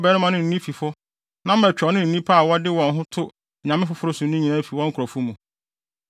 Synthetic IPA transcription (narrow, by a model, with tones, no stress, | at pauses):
bɛː˦nʊ̃˦mã˨nɪ̃˦n̩˨nĩ˦fi˨fʊ˦ | nã˦m̩˦ɛ˨t͡ɕᶣɔ˨˦nɪ̃˦n̩˨nĩ˦pʰa˦a˨wɔ˦dɪ˦wɔ̃˨nɦʊ̃˦tʰʊ˦˨ | ɲã˨mɪ̃˦fʊ˦fʊ˦ɾʊ˦sʊ̃˨˦nʊ̃˦ɲĩ˨nã˦fi˨wɔ̃˦ŋ̩˦kʰɔ˨fu˦mũ˨